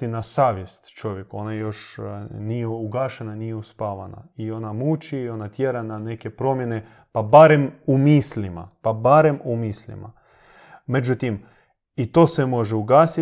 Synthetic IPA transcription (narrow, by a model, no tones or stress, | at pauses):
inasaːʋje̞st̪t͡ʃo̞ʋje̞kuo̞najo̞ʃnijeuɡaːʃenanijeuspaːʋana̰io̞namut͡ʃiːo̞nat̪jeɾanane̞ke̞pɾo̞mje̞ne̞ | pabaɾe̞mumislima̰pabaɾe̞mumislḭma̰ | me̞d͡ʒut̪im | it̪o̞ːsemo̞ʒeuɡaːsi